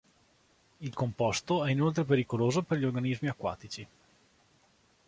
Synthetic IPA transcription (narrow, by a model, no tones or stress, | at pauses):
ilkompɔst̪oɛinolt̪̬ɾep̬eɾikoloːzoperʎiorɡanizmiakwa̰ːt̪it͡ʃi